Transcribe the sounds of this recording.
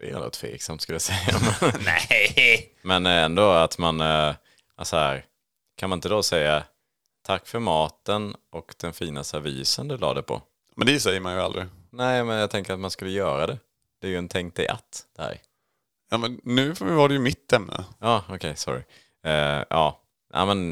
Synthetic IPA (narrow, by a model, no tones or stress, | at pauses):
d̪ɛɛ̰no̰t̪ʰfvḛːksamt̪skɵlːjasɛjːamɛnɛ | mɛnɛnd̪oat̪man | asɔhæ̰ːɾ | kʰanmanɪnt̪əd̪osɛjːa | t̪ʰakːfœɾmɑːt̪ənɔkd̪ɛnfiːnast̪əavḭːsənd̪ɵlɑ̰ːd̪ɛpʰɔ̰ | mɛ̰nd̪ɛsɛjːəɾmanjəald̪ɾɪnɛɪmɛnjat̪ʰɛŋkəɾat̪manskɵlːəjœːɾad̪ɛ | d̪̥ɛjɵɛnt̪ʰɛŋk̚t̪ɛʔa̰t̪ːd̪̥ɛæ̰ːɾ | jɑːmɛnːʉ̟ːvad̪ɛjəmɪt̪ʰːɛmnə̰jɑːɔkʰɛjsɔ̰ɾɪ̰ | ʔɑː | nʔæ̰ːmɛn